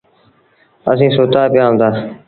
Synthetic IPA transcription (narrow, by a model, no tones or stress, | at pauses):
ə̰s̬ĩːsoːt̪aːpɪjaːʊ̃nd̪aː